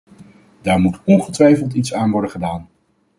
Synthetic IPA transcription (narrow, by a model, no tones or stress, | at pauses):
daːɹmutɔnχətʋɛjfəlˠtitsaːnʋɔɹdəχədaːn